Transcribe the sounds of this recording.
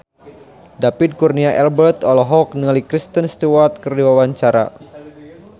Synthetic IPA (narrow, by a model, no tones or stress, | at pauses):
dapid̚kurniaʔɛlbərt̪ɔlɔɦɔk̚nəŋalikɾist̪ənst̪uwart̪̚kərdiwawaɲt͡ʃaɾa̰